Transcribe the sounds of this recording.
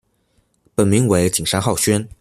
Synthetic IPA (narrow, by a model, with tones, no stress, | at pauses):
pə˨˩nmi˧˥ŋwe˧˥ɪt͡ɕi˨˩ŋʂa˥nxɑ˥˩ʊɕɥɛ˥n